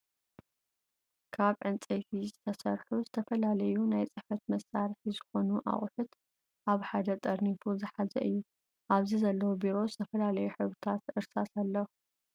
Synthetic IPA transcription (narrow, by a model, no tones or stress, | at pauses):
kʰaβʕɨnt͡sʼejfizɨt̪ʰɐsɐ̰ɾħuzɨt̪ʰɐfɐlalɐjunajt͡sʼɨfɐt̪mɐsaɾħizɨxo̞nuʔa̰χʼħɨt̪ | ʔaβħad̪ɐt̪ʼɐɾnifuzɨħazɐ̰ʔɨjːu | ʔaβzizɐlːɐwobiɾo̞zɨt̪ʰɐfɐlalɐjuħɨβɨt̪ʰat̪ɨɾsasalːɐ